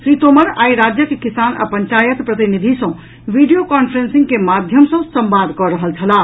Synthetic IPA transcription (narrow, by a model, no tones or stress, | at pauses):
sɾit̪oməɾaːiɾad͡ʒjəkekisanə̰pəɲt͡ʃajət̪pɾət̪inid̪ʱisɔ̃ | ʋiɖijokɔnpʰəɾensĩŋɡkemad̪ʱjəmsə̃sə̃mbad̪ʱkɔɾəɦəlt͡ʃʰəla